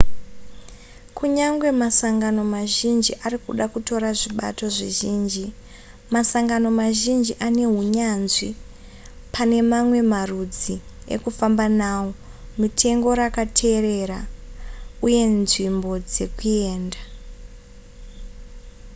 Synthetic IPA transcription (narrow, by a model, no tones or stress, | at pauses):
kʰuɲaŋɡwe̞masaŋɡano̞maʒind͡ʒiʔarikuɗakuto̞ɾaʐiɓa̰to̞ʐiʒiːnd͡ʒi | masaŋɡano̞maʒind͡ʒiʔane̞ɦuɲanzi | pʰane̞mamwe̞marud͡zi | ḛkufambanaːwo̞mitʰe̞ŋɡo̞ɾakatʰe̞re̞ra | uje̞nʐimbo̞d͡ze̞kue̞ːnda